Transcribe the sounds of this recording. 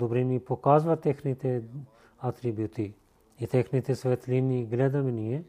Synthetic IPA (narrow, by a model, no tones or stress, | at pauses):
d̪obɾinipokaːzʋat̪exnit̪e | at̪ɾibjut̪iː | t̪exnit̪esʋet̪liniɡlɛd̪ɐmenije